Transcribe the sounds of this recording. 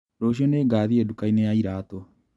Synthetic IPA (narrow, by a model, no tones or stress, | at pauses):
ɾoɕ̬iɔneːɡaːðiedukainejaiɾaːtɔ